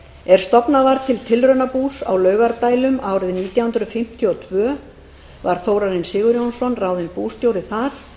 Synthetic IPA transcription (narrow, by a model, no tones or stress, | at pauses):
ɛɾ̥st̪ɔpnavaɾt̪ʰɪlt̪ʰɪlrœɥnapuːsa̰wlœːɥɣaɾt̪aːjlʏmaːwɾɪðniːt̪jawhʏnd̪ɾʏfɪm̥t̪ʰjʏɔt̪ʰvœː | vaɾ̥θowɾaɾɪnsɪːɣʏɾjownsɔnraːwðɪnpuːst̪jowɾɪθaɾ̥